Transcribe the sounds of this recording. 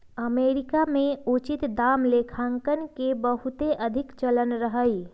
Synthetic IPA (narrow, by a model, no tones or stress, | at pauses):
əmeːɾɪkamẽut͡ʃɪt̪d̪aːmlekʰãŋkənkebəɦut̪eʔəd̪ʱɪkt͡ʃələnɾəɦəi